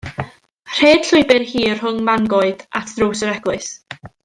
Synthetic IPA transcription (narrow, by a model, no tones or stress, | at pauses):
r̥eːd̥ɬʊɨbɨrhiːər̥hʊŋmaŋɡɔɨd̥atʰd̥roːsəɾɛɡlˠɨɨs